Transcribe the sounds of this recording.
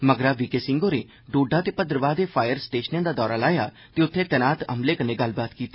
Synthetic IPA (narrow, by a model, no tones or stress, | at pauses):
məɡɾaːʋɪkeːsɪ̃ŋɡoːneː | ɖoːɖaːt̪eːpəd̪əɾəʋaːd̪eːpʰaːjəɾsʈeːʃənãːd̪aːd̪ɔːɾaːlaːjaː | t̪eːʊt̪ʰːẽːt̪ɛːnaːt̪ə̰mleːkənẽːɡəlbaːt̪kiːt̪eː